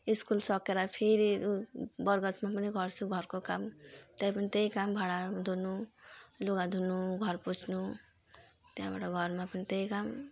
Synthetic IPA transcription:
iskulsʌkeɾapʰeɾi | bʌrɡʌt͡smap̬ʌniɡʱʌrt͡sʰuɡʱʌrkokamt̪ʌjpʌnit̪ejkambʱaɽad̪ʱunuluɡad̪ʱunuɡʱʌrput͡sʰnu | t̪jãba̰ʈʌɡʱʌɾmapʌnit̪ejkam

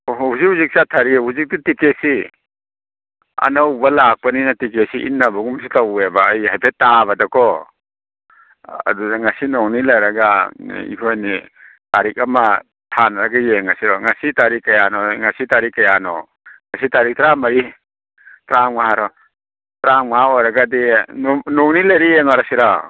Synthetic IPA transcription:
huzik̚huzik̚satʰaɾihuzik̚titikesi | ɐ̰nawbɐlak̚pɐninatikesiʔḭnːabɐɡumsitawebaːjɦajpʰetːabɐdakʰɔ | ɐ̰dudaŋasinɔŋnilajɾɐɡaḭhʰojni | taɾik̚ama | tʰanaɾaɡajeŋasiɾɔŋasitaɾikːɐjanɔŋasitaɾikːɐjanɔ̰ | ŋasitaɾik̚tɾamaɾi | tɾaŋmaaɾɔ | tɾaŋmaojɾaɡadinnoŋnilajɾijeŋɔɾasiɾa

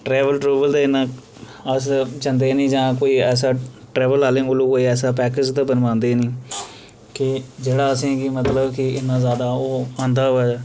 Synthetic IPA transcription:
ʈɾɛːʋəlʈɾoːbəld̪aɪnãː | əst͡ʃənd̪eːnĩːd͡ʒãːkoːiːɛːs̬aːʈɾɛːʋəlaːlẽːʊloːkoːiːɛːsaːpɛːkɪd͡ʒt̪aːbənʋãːnd̪eːnĩː | kɪd͡ʒeːɽaːəsĩːkɪmət̪ləbkɪɪnːãːzaːd̪aːoːãːnd̪aːɛ

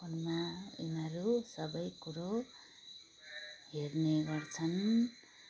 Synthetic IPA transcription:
unmaḭnʌɾusʌbʌjkuɾo | ɦerneɡʌrt͡sʰʌn

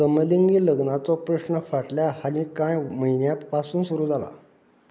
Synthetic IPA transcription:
səməliŋɡiːləɡnat͡sɔpɾəɕnəfaʈljahalĩkãjməinjapasuːnsuɾuːd͡zʱala̰

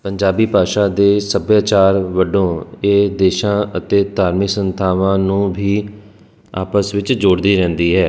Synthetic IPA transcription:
pəɲd͡ʒaːbiːpaːʃaːd̪eːsəbjaːt͡ʃaːɾʋəɖõːeːd̪eːʃãːət̪eːd̪aːɾmɪksənt̪ʰaːʋãːnũːbʱiː | a̰ːpəsʋɪt͡ʃd͡ʒoːɽd̪iːɾɛ̃ːnd̪iːɦɛː

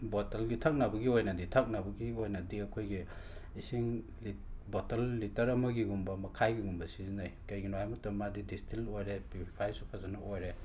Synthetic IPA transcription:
botelɡitʰɐk̚nabɐɡiojnɐditʰɐk̚nabɐɡiojnɐdiɐkʰojɡiisiŋ | botɐlːitɐɾɐmɐɡiɡumbɐmɐkʰajɡiɡumbɐsizinajkɐjɡinoajmuk̚tɐmadidistilojɾepipʰipʰajsupʰazanɐojɾe

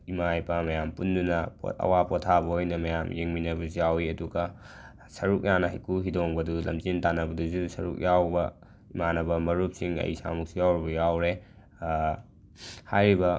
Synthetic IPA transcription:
imajpɐmɐjampundunɐpɐ̰wapotʰabɐhojnɐmɐjamjeŋminɐbɐzjawiɐduɡɐ | sɐɾuk̚janɐɦɐjkʰuɦidoŋbɐdulɐ̰mzintanɐbɐduzusɐɾuk̚jawbɐ | imanɐbɐmɐɾup̚siŋɐ̰jsa̰muk̚sijawɾibɐjawɾe | hajɾibɐ

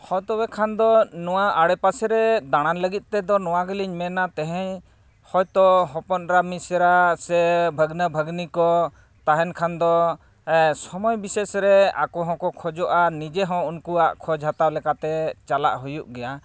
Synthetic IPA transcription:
hɔ̃jt̪ɔbɛkʰand̪ɔnɔwaaɽɛpasɛɾɛd̪aɽ̃anləɡit̪̚ˀt̪ɛd̪ɔnɔw̃aɡəliɲmɛnat̪ɛɦɛɲ | hɔjt̪ɔɦɔ̃pɔnɾamisɛɾasɛbʱəɡnəbʱəɡnikɔ | t̪aɦɛnkʰand̪ɔ | sɔmɔjbisɛsɾɛa̰kɔɦɔ̃kɔkʰɔd͡ʒɔʔanid͡ʒɛɦɔ̃unkuaʔkʰɔd͡ʒʱat̪awlɛkat̪ɛt͡ʃala̰ʔɦujuʔɡɛja

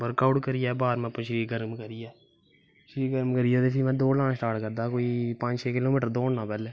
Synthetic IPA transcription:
ʋəɾkaːʊʈkəɾijɛːbaːɾmɛ̃ːpːãːʃəɾiːkɡəɾmkəɾijɛː | ʃəɾiːkɡəɾmkəɾɪjaːt̪eːpʰɪmɛ̃ːd̪oːlãːsʈaːɾʈkəɾd̪aːkoːiːpə̃ɲd͡ʒt͡ʃʰeːkɪloːmɪːʈəɾd̪oːɳnãːpɛːleː

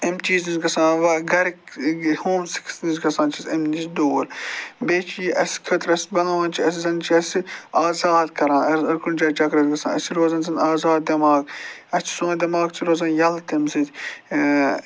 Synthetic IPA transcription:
ɐmt͡ʃiːznizɡɐsãːʋɐɡɐɾkhoːmsi̥kʰsnizɡɐsãːnt͡ʃʰisɐmniʃd̪oːɾbeːt͡ʃʰiʔɐskʰɐt̪ɾɐsbɐnɐʋãːnt͡ʃʰiɐs̬zɐnt͡ʃʰiɐsiaːzaːd̪kɐɾãːnɐɾsɐɾkund͡ʒɐːt͡ʃɐɡɾɐt̪ɡɐsã̰ːnɐsiɾoːzɐnzɐnaːzaːd̪̚d̪ɐmaːɡɐt͡ʃʰi̥sõːnd̪ɐmaːɡt͡sʰiɾoːzɐːnjɐlt̪ɐmsɐt̪ʲ

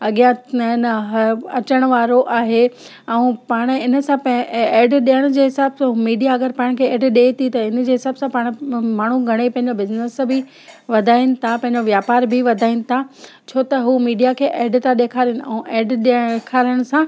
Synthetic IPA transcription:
ɐɠijãnɦɐt͡ɕəɽ̃ʋaːɾoʔaːɦe | ɛ̃ũpaːɽ̃ɪnə̆sãpɛːɖɗiəɽ̃d͡ʑeːɦɪsaːbsãɦumiːɖijaɐɡəɾpãɪɽ̃kʰeːeːɖɗeːt̪ʰit̪ɐɪnd͡ʑeːɦɪsaːbsãpaːɽ̃maːɳ̤̃uɡʱɐɽ̃epɐ̃ɦɪ̃ɲd͡ʑobɪznəsbʱi | ʋɐd̪ʱaːinɪ̆t̪ʰapɐ̃ɦɪ̃ɲd͡ʑoʋjaːpaːɾbʱiʋɐd̪ʱaːinɪ̆t̪ʰa | t͡ɕʰoːt̪ɐɦuːmiːɖijakʰeːʔeːɖt̪ʰaɗeːkʰaːɾijʊnɪ̆ɛ̃ũʔeːɖɗkʰaːɾəɽ̃ʊsã

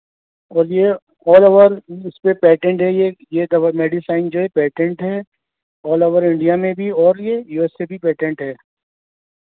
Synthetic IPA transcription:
ɔːɾje | ɔːloʋəɾɪspepɛːʈẽɳʈɦɛjejed̪ɐmeːɖisaːɪnd͡ʒoːɦɛpɛːʈɛ̃ɳʈɦɛː | ɔːloʋəɾɪ̃ɳɖijamẽbʱiɔːɾjejuːɛsːebʱipɛːʈɛ̃ɳʈɦɛː

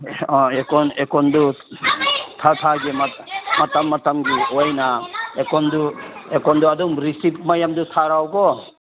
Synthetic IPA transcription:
ekɔnekɔndu | tʰatʰaɡema | matamːatamɡiojnaekɔnduekɔnduaduŋɾisip̚majamdutʰaɾawɡɔ

